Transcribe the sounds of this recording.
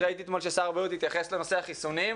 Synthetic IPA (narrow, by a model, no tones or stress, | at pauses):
ʁait̪iet̪mo̞lʃesaʁbajut̪it̪jaχe̞sle̞no̞seaχisunim